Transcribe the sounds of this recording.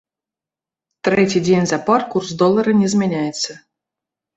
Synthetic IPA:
t̪ɾʲetʲijdʲenʲzaparkursd̪olˠːəɾənʲezʲmʲenʲæjɪt̪t͡sːə

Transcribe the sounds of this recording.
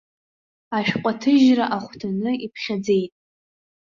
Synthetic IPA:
aʃᶣqʷʼatʰɨʒraʔaχʷtʰanɨipʰχʲad͡ze̞jtʼ

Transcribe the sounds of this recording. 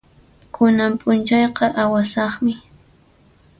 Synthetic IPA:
kʰʊnampʼʊnt͡ʃɑjqɑʔawasɑχmɪ

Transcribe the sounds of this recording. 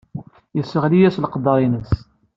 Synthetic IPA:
jəsəʁlijæslqəd̪ːɑɾˤinəs

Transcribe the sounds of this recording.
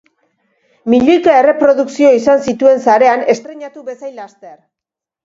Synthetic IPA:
miʎojkae̞re̞pɾo̞ðuksio̞isansit̪ue̞nsaɾe̞ane̞st̪ɾe̞ɲat̪uβe̞sajlast̪e̞r

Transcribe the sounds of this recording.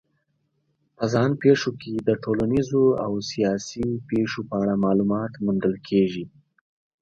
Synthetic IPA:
pəzɑnpeʃokʰed̪əʈʰolanizoa̰wsijɑsipeʂopəaɽamɑlumɑt̪mund̪əlkʰeʒi

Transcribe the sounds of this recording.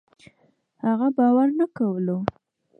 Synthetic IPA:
haɣabɑwaɾnakawəlo

